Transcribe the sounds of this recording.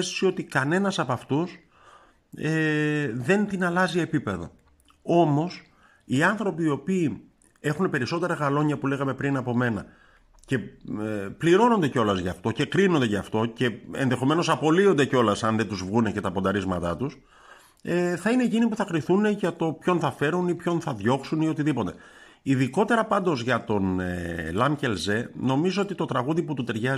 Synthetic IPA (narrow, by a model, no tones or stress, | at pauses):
est̪o̥sio̞t̪ikɐne̞nɐsɐpɐft̪us | eðe̞nt̪inɐlɐzie̞pipe̞ðo̰ | o̞mo̞s | iɐnθɾo̞piːo̞piː | e̞xunepe̞ɾiso̞t̪e̞ɾɐɣɐlo̞ɲɐpule̞ɣɐmepɾinɐpo̞me̞nɐ | ce̞epliɾo̞no̞nd̪eceo̞lɐzʝɐːft̪o̞ce̞kɾino̞nd̪e̞ʝɐːft̪o̞ce̞ḛnðe̞xo̞me̞no̞sɐpo̞lio̞nd̪eceo̞lɐsɐnðet̪uzvɣunece̞t̪ɐpo̞nd̪ɐɾizmɐt̪ɐt̪us | eθɐine̞ːcinipuθɐkɾiθune̞ʝɐt̪o̞pço̞nθɐfe̞ɾunipço̞nθɐðʝo̞ksunio̞t̪iðipo̞t̪e̞ | iðiko̞t̪e̞ɾɐpɐnd̪o̞zʝɐt̪o̞nelɐmce̞lze̞no̞mizoot̪it̪o̞t̪ɾɐɣuðiput̪ut̪e̞ɾʝɐ